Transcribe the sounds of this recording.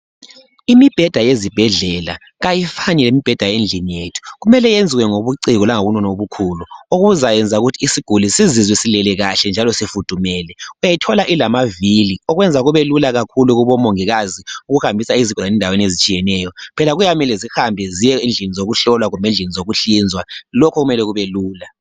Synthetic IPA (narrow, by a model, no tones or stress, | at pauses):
imib̥ʱɛd̥ʱajezib̥ʱɛɮɛla̰ | ɣajifanɛlemib̥ʱɛd̥ʱajend͡ɮʱinijetʰu̥ɣumɛlɛjend͡zʱiwɛŋoβuǀiɣɔlaŋoβunɔnoβukʰuluoɣuzajɛnd͡zʱauɣutʰiːsiɡ̥ʱulisizizwisilɛlɛɣaɬɛnd͡ʒʱalɔsifud̥ʱumɛːlɛujajitʰɔlaʔilamaviliɔɣwɛnd͡zʱaɣuβɛlulaɣakʰuluɣuβɔmoŋiɣaziuɣuhambʱisaiziɡʱɔaɛndʱawenezit͡ʃʼijɛnɛːjɔpʰɛlaɣujamilɛzihambʱɛzijɛind͡ɮʱinizoɣuɬɔlwaɣumend͡ɮʱinizoɣuɬind͡zʱwalɔkʰɔɣumɛlɛɣuβɛluːla